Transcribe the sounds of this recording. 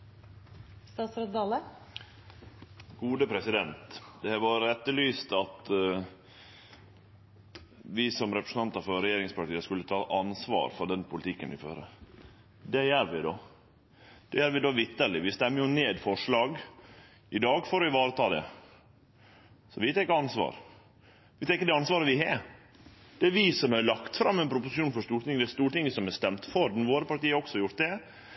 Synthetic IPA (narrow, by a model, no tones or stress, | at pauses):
st̪ɑːt̪sɾət̪̚d̪ɑːlə | ɡ̥uːd̪əpʰɾɛsɪd̪ɛnt̪d̪ɛʋɑɾɛt̪ːəlyːst̪ɑt̪ | ʋɪsɔmɾɛpʰɾəsn̩ɑnt̪əɾfɔɾɾɛjeːɾɪŋspɑʈiːəskʉlːət̪ʰɑːʔɑnsʋɑ̰ːɾfɔɖɛnpʰʊlɪt̪ʰɪkːənʋɪ̰føːɾə | d̪ɛjæːɾʋɪd̪oː | d̪̥ɛjæːɾʋɪd̪oːʋɪt̪ːəɭɪʋɪst̪ɛmːəjʊneːd̪fɔʂɭɑːɡ | ʔɪd̪ɑːɡfɔɾɔɪʋɑːɾət̪ʰɑːd̪ɛ̰ | sɔʋɪt̪ʰɛkːəɑnsʋɑ̰ːɾ | ʋɪt̪ɛkːəd̪ɛɑnsʋɑːɾəʋɪɦe | d̪̥ɛæɾʋɪsɔmhɑɾɭɑkt̪fɾɑmːɛnpʰɾʊp̬ʊsɪʃuːnfɔɾʂt̪uːʈɪŋəd̪ɛæst̪uːʈɪŋːəsɔmɛst̪ɛmt̪fɔɾɖɛnʋoːɾəpɑʈiːɔksɔjʊɾt̪̚d̪ɛ